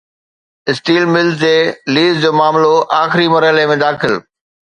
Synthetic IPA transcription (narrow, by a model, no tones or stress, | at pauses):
ɪsʈiːlmɪlzd͡ʑeːliːzd͡ʑoːmaːmloʔaːxɪɾimɐɾɦɪlemẽd̪aːxɪl